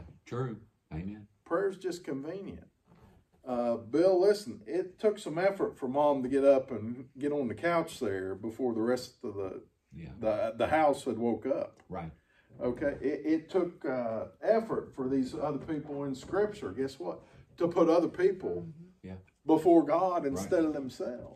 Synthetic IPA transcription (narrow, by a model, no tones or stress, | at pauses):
tʰɹ̥ʉ | ẽnpʰɹ̥ɛɹzd͡ʒʌskɨ̃ɱvĩnjɨ̰̃nt̚ | ʌbɪlˠlɪsn̩ɪtʰʊksʌ̃mɛfə˞tfə˞mɑ̃mtɨɡɛɾʌpɨ̃nɡɛɾn̩ðɨkʰaʊt͡ʃðə˞bəfɔɹðəɹɛstʌvðə | ðəðəhaʊshəd̚woʊkʌpa | ʔoʊkʰeɪʔɪɾʔɪtʰʊkʌɛfə˞tfə˞ðizʌðə˞pʰipl̩ˠɪ̃nskɹɪp̚t͡ʃə˞ɡɛswʌt̚tʰəpʰʊɾʌðə˞pʰipl̩ˠ | bəfɔɹɡɑɾɨ̃nstɛɾʌvðə̃m̩sɛlˠv̥